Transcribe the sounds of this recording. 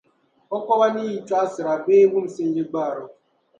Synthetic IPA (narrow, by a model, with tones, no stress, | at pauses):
ɔ˦kɔ˦βa˦ni˦ji˨ta˦sɪ˨ɾa˨be˦wu˦m̩˦˨si˦n̩˦d͡ʒi˦ɡ͡ba˦a˨ɾɔ˨